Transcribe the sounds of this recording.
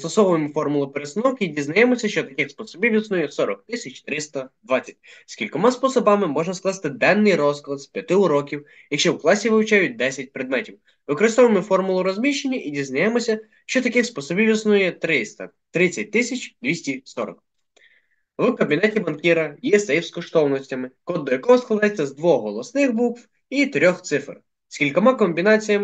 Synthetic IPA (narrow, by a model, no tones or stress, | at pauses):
st̪ɔsɔʋɪmɪfɔrmʊlˠʊpeɾesɪnɔwkidʲiznɐjɛmɔsʲɐʃt͡ʃɔt̪ɐkɪxspɔsɔbʲiwʲisnujɛsɔɾɔk̚t̪ɪsʲɐt͡ʃʲt̪ɾɪst̪ɐd̪ʋɑt͡sʲːɐtʲskʲilʲkɔmɑspɔsɔbɑmɪmɔʒnɐsklˠɑst̪ɪd̪ɛnːɪjɾɔsklˠɐspʲjɐt̪ɪʊɾɔkʲiw | jɐkʃt͡ʃɔwklˠɑsʲiʋɪwt͡ʃɑjʊt̚ʲd̪ɛsʲɐt̚ʲpɾed̪mɛtʲiw | ʋɪkɾɪst̪ɔʋemɪfɔrmʊlˠʊɾɔzʲmʲiʃt͡ʃenʲːɐʔidʲiznɐjɛmɔsʲɐ | ʃt͡ʃɔt̪ɐkɪxspɔsɔbʲiwʲisnujɛt̪ɾɪst̪ɐ | t̪ɾɪt͡sʲːɐt̚ʲt̪ɪsʲɐt͡ʃʲd̪ʲʋʲisʲtʲisɔɾɔ̰k | ʋʊkɐbʲinɛtʲibɐnkʲiɾɐjɛsɐjiwskɔʃt̪ɔwnɔsʲtʲɐmɪkɔd̪ːɔjɐkɔɦɔskˠɔd̪ɛt͡sʲːɐzd̪ʋɔːɔlˠɔsnɪxbukʋ | it̪ɾʲɔxt̪sɪfr | sʲkʲilʲkɔmɑkɔmʲbʲinɑt͡sʲijɐm